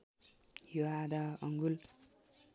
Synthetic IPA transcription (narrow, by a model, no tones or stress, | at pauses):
joad̪aʌŋɡul